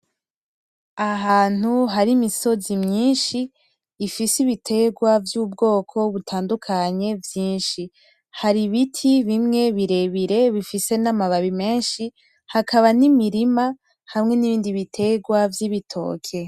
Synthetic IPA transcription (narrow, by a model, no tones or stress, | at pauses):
aɦaːn̥huɦaɾimiso̞zimɲiːnʃiː | fisiβitʰe̞ɡwavjubɡo̞ːkʰo̞βutʰaːndukʰaɲe̞vjiːnʃi | haɾiβitʰiβimŋe̞βiɾe̞βiɾe̞βifise̞namaβaβime̞ːnʃi | hakʰaβanimiɾima | hamŋe̞niβiːndiβitʰe̞ɡwavjiβitʰo̞̰ːkʰe̞